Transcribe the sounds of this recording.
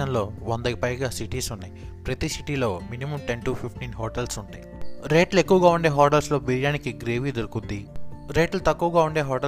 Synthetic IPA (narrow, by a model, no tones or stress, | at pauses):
ɐnlo̞ːʋɐnd̪ɐipɐjɡaːsiʈiːsunːaj | pɾɐt̪isiʈilo̞ːminimɐmʈeɳʈupʰipʰʈiːnɦoːʈelsuɳʈaːjiɾe̞ːʈlekːuʋɐɡaːuɳɖe̞ːɦɔːʈɐlslo̞ːbiɾjaːnikiɡɾeːʋid̪uɾukund̪iɾeːʈlɐt̪ɐkːuʋɐɡaːuɳɖe̞ːɦɔːʈe